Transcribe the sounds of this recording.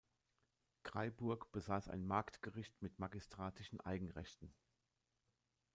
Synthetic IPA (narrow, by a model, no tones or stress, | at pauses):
ɡ̥ʁ̥aɪbʊɐkb̥əzaːsa̰ɪnmaɐktɡ̥əʁɪçtmɪtmaɡistʁ̥aːtɪʃn̩ʔa̰ɪɡŋ̩ʁɛ̰çtn̩